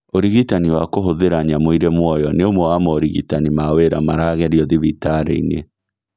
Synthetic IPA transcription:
oɾiɣitaniwakoɦoðeɾaɲamoiɾemwɔjɔneomwɔwamɔoɾiɣitanimaweɾamaɾaɣɛɾiɔðivitaɾḛinḛ

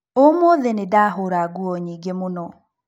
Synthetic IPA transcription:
omoðɛnedaɦoɾaɡuɔɲiɡemonɔ

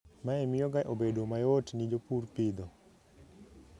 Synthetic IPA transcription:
maɛmɪjɔɡaʔobedomajotnid͡ʒopurpɪd̪ɔ

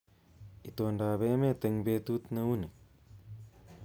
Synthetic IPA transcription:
it̪oːɳɖaːβeːmet̪əŋbeːt̪ut̪nəune

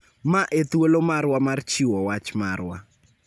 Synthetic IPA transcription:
maʔet̪wolomarwamart͡ʃiwɔwat͡ʃmarwa̰

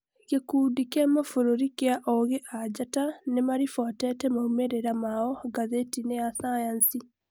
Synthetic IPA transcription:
ɣekuːdikɛmafoɾoɾikeaʔɔɣeʔad͡ʑatanemaɾifwatɛtɛmahumeɾeɾamaɔɡaðetinejasajansi

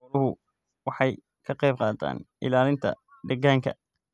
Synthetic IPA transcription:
ɾʊɦʊ | wɑħɑj | kʰɐqɛjb̚qɑːd̪ʰa̰ːnʔɪ̰laːlɪnt̪ʰɐ̰ | d̪ɐɡaːŋkʰɐ̰

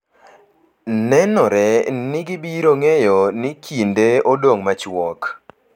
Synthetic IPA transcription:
nɛnɔɾɛnɪɡɪbiɾoŋejɔnɪkʰindeodoŋmat͡ʃwɔk

